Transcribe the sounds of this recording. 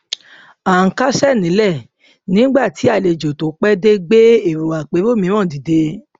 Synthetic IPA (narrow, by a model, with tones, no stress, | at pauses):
a˨ŋ̩˧ka˦sɛ˦˨nĩ˨˦lɛ˦˨ | nĩ˦ɡ͡ba˦˨ti˨˦a˦˨le˧d͡ʒo˨to˨˦k͡pɛ˦de˦ɡ͡be˦e˦˨ɾo˨wa˨k͡pe˨˦wo˦˨mĩ˨˦ɾ̃ɔ̃˦˨di˨de˧